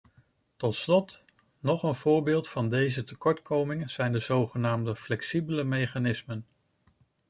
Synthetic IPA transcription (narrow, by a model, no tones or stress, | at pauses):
tɔtslɔt | nɔχənv̥ʊːɹbɪːlˠtfɑndejzətəkɔɹtkʰowmɪŋəz̥ɛjndəzowχənaːmdəflɛksibələmejχanɪsmən